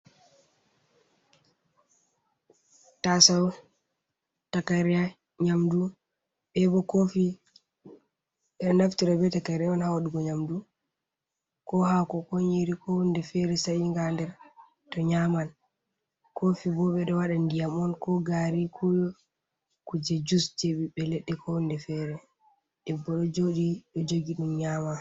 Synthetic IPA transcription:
tasaw | takaɾija | ɲamdu | ɓɛbɔkofi | naftiɾɔbɛtakaɾiaɔnhawaɗuɡɔɲamdu | kɔhakɔkɔɲiɾikʰɔhundɛfɛɾɛsajiŋɡandɛɾ | tɔɲaman | kofibɔɓɛɗɔwaɗandijamɔnkɔɡaɾikʰujɔ | kud͡ʒɛd͡ʒusd͡ʒeɓiɓɛleɗːɛkʰɔhundɛfɛɾɛ | ɗɛbːɔɗɔd͡ʒoɗiɗɔd͡ʒoɡiɗumɲama

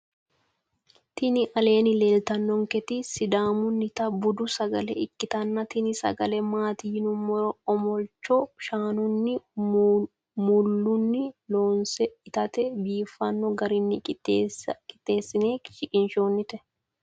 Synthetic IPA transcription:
t̪ɪnɪʔɐle̞ːnɪle̞ːlt̪ɐnːɔŋkɛt̪ɪsɪd̪aːmʊnːɪt̪ɐbʊd̪ʊsɐɡɐlɛɪkːɪt̪ɐnːɐt̪ɪnɪsɐ̰ɡɐlɛmaːt̪iːnʊmːɔɾɔɔmɔlt͡ʃːɔʃaːnʊnːɪ | mʊlːʊnːɪloːnsɛɪt̪ɐt̪ɛbiːfːɐnːɔɡɐɾɪnːɪ | kʼɪ̥t̪ʼːe̞ːsːɪne̞ːʃɪkʼɪnʃoːnːɪt̪ɛ

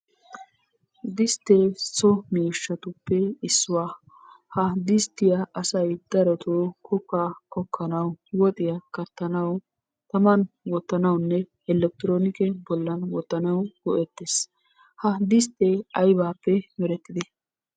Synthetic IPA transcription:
d̪ɪst̪ːesɔmeːʃːɐt̪ʊpːɛɪsːʊwaː | hɐd̪ɪst̪ːɪjɐʔɐsɐjd̪̥ɐɾɔt̪okʰɔkːakɔkʰːɐnɐwwɔt̪ʼɪjɐkɐt̪ːɐnɐw | t̪ɐmɐnwɔt̪ːɐnɐwnːɛ | ɛlːɛk̚t̪ɪɾoːnɪkɛbɔlːɐnwɔt̪ːɐnɐwɡ̥ɔʔɛt̪ːes | hɐd̪ɪs̬t̪eɐjbaːpːɛmɛɾɛt̪ːɪd̪ɛ

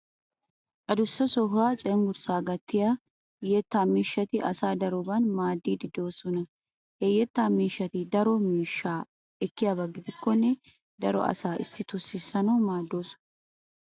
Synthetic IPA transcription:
ʔʼɐd̪ʊsːɐsɔɦaːt͡ʃʼɛmɡʊɾsaːɡɐt̪ːɪja | jɛt̪ːaːmiːʃːɐt̪ɪʔɐsaːd̪ɐɾɔbɐnmaːd̪ːiːd̪ɪd̪o̞ːsɔnɐ | hɛjɛt̪ːaːmiːʃːɐt̪ɪd̪ɐɾɔmiːʃːaː | ɛkːɪjaːbɐɡːɪd̪ɪkːɔnːɛ | d̪ɐɾɔ̰ʔɐ̰saːʔɪsːɪt̪ʊsːɪsːɐnɐwmaːd̪ːo̞ːsɔ̥ɐ

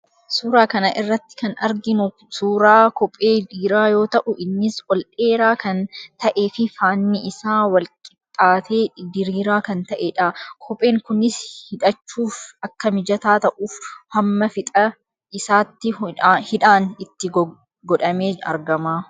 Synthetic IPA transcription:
suːɾaːkɐnɐʔɪrːɐt̪ːɪ̥kɐnɐɾɡɪnʊ | suːɾaːkɔpʼːe̞ːd̪iːɾaːjo̞ːt̪ɐʔʊʔɪnːɪsɔlᶑe̞ːɾaːkɐnt̪ɐʔe̞ːfɪfaːnːɪʔɪsaːwɐlkʼɪt̪ʼːaːt̪eːd̪ɪɾiːɾaːkɐnt̪ɐʔeᶑɐkʰɔpʼe̞ːŋkʊnɪshɪᶑɐt͡ʃːuːfɐkːɐmɪd͡ʒɐt̪aːt̪ɐʔuːfhɐmːɐfɪt̪ʼɐ | ɪsaːt̪ːɪhɪᶑaːnɪt̪ːɪ | ɡɔᶑɐmeːɐ̰ɾɡɐmaː

